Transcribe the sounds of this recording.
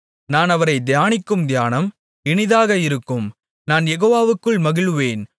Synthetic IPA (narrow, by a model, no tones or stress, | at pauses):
naːnɐʋɐɾɐɪd̪ɪjaːnɪkːɯmd̪jaːnɐm | ɪɳɪðaːɣɐɪɾɯkːɯm | naːnjɛɣoːʋaːʋɯkːɯɭmɐɣɪɭɯʋeːn